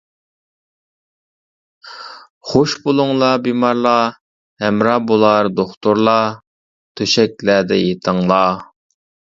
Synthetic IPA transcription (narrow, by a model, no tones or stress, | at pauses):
χoʃbolˠʊŋlˠɑbimɑɾlˠɑ | hɛmɾɑbolˠɑɾd̪oχt̪uɾlˠɑ | t̪ʰøʃɛk̚ʲlæd̪ɛ̰jet̪ʰəŋlˠɑ